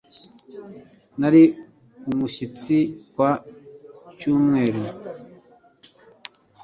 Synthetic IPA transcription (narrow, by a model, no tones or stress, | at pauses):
naɾi | umuʃit͡siwa | t͡ʃuːmŋeːɾu